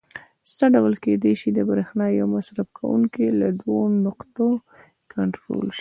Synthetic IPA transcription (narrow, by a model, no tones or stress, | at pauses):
səɖawlked̪ejʃid̪əbɾexnɑjawmasɾabkʰa̰wṵŋkilad̪wonʊqt̪o | kʰaɳʈɾo̰lʃi̥